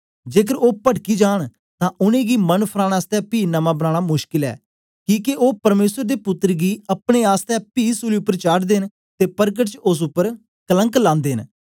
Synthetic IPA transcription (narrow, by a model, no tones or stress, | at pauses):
d͡ʒeːkəɾoːpəʈkiːd͡ʒaːɳ | t̪ãːʔʊnẽːɡiːmənpʰəɾaːnaːst̪ɛːpiːnəmãːbənãːɽ̃aːmʊʃkɪlɛ̰ː | kĩːkeʔoːpəɾmeːsəɾd̪eːpʊt̪ːɾɡiːəpɳeːaːst̪ɛːpiːsuːliːʊpːəɾt͡ʃaːʈd̪eːn | t̪eːpəɾk̬əʈt͡ʃʊs̬ʊpːəɾ | kələŋklãːnd̪eːn